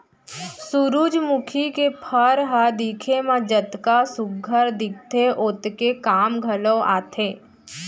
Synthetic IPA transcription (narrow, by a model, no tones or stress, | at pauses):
suɾuːd͡ʒmʊkʰikepʰəɾɦad̪iːkʰemãd͡ʒət̪kasʊɡʱːəɾd̪ɪk̚t̪ʰeʔoːt̪kekaːmɡʱələʔa̰ːt̪ʰeː